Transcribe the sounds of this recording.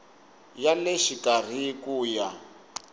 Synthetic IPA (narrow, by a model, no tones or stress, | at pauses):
jalɛʃikʼar̤ikuːja